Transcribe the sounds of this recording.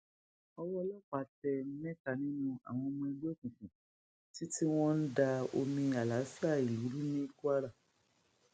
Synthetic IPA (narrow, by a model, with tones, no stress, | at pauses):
ɔ˧wɔ˦˧˦lɔ˦˨k͡pa˨˦tɛ˧˦mɛ̃˦ka˧˨nĩ˦nũ˧a̰˨w̃ɔ̃˧mɔ̃˧i˧ɡ͡be˦˨kũ˨kũ˨ | ti˦ti˦w̃ɔ̃˦n̩˦da˧o̰˧mĩ˧a˨la˨˦sa˦˨i˨u˨˦ɾu˦nĩ˦ku˦a˦ɾa˦˨